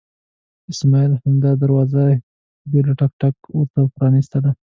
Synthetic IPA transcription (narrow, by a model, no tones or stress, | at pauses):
ɪsmɑilhamd̪ɑd̪aɾwɑza | belaʈɑk̚ʈakwəɾt̪apɾɑnist̪ad̪a